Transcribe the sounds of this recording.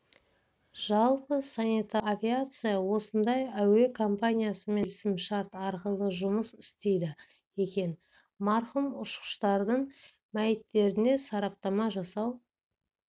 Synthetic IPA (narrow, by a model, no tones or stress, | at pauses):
ʒ̥ɑlˠpəsanit̪aːvʲiat̪sɨjawo̞sənd̪ɑjæwe̞kʰo̞mpanʲijasəme̞lsɪmʃɑɾt̪ɑɾqəlˠəʒʊməsɪ̥st̪ejd̪ɪ | je̞kʲe̞n | mɑɾχəmʊʃqə̥ʃt̪ɑɾd̪əɴ | mæjɪt̪ːe̞ɾɪne̞sɑɾɑp̚t̪ɑmɑʒɑsɑw